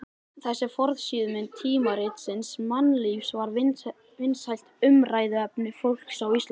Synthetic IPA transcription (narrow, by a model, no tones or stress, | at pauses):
θɛsːɛfɔɾðsiːðʏmɪnt̪ʰiːmaɾɪt̪sɪnsmanːlifsvaɾ | vɪnshajl̥t̪ʏmraːjðɪɛpnɪfowl̥ksawist̪